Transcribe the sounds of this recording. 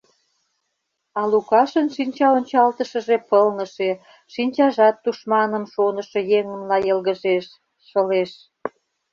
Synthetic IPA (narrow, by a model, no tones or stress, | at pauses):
ɑlukɑʃənʃinʲt͡ɕɑonʲt͡ɕɑlt̪əʃə̆ʒepəlnə̆ʃe | ʃinʲt͡ɕɑʒɑt̪ːuʃmɑnə̆mʃonə̆ʃɤ̆jeŋə̆mlɑjəlɣəʒeʃː | əleʃ